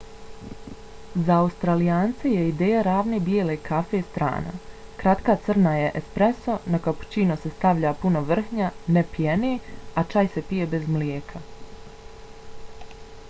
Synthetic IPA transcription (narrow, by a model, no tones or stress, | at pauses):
zaːust̪ɾalijaːnt̪sejeid̪eːjaɾaːʋneːbjeːlekʰafe̞st̪ɾa̰ːna̰kɾat̪kaːt̪sɨr̩najeʔespɾeso̞nakapu̥t͡ɕiːnose̞st̪aʋʎaːpunoʋr̩hɲanepijeneat͡ʃaːjsepije̞be̞zmljeːkʰa